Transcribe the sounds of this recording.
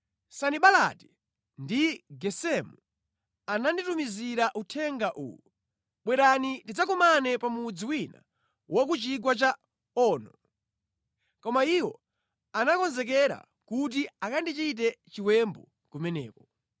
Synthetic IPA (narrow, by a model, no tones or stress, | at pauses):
saniɓala̰ti̥ | ndiɡɛsɛmu | ananditumiziɾaʔutʰɛŋɡaʔṵu | ɓwɛɾanitid͡zakumanɛpamud͡ziwina̰ | wak̬ut͡ʃiɡwat͡ʃa | ɔːnɔ | kɔmaiwɔ | anakɔnzɛk̬ɛɾa̰ | kut̬iakandit͡ʃit̬ɛt͡ʃiwɛmbɔ | kumɛnɛ̰ːkɔ